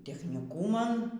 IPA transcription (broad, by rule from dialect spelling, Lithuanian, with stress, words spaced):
tʲɛxʲnʲiːˈkuːmɐn